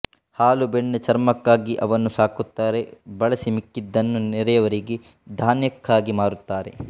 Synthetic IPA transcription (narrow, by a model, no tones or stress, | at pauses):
haːlubeɳːet͡ʃɐɾmɐkːaːɡiʔɐʋɐnːusaːkut̪ːaːɾe̞bɐɭɐsimikːid̪ːɐnːuniɾɐjɐʋɐɾiɡe | d̪ʱaːnjɐkːaːɡimaːɾut̪ːaːɾe̞̰